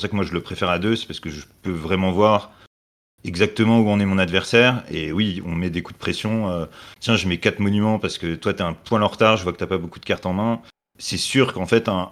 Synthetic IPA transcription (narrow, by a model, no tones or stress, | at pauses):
sakəmwaʒələpχefɛʁad̪øsɛ̥paʁsə̥kəʒəpøvʁɛmɑ̃vwaʁ | ɛɡzak̚t̪əmɑ̃uɔ̃nɛmɔ̃nad̪vɛʁsɛːʁḛwiɔ̃mɛd̪ekud̪əpχesjɔ̃øt̪jɛ̃ʒəmɛkat̪χmɔnymɑ̃paʁsə̥kət̪wat̪yaɛ̃pwɛ̃lɑ̃ʁt̪aʁʒəvwakət̪yapabokud̪əkaʁt̪ɑ̃mɛ̃ | sɛsyʁkɑ̃fɛt̪ɛ̃